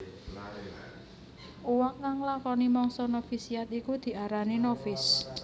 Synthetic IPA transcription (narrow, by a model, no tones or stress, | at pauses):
uwaŋːaŋlakɔnimɔŋsɔnofisijat̪ikud̪̥i̤ʔaɾaninofɪs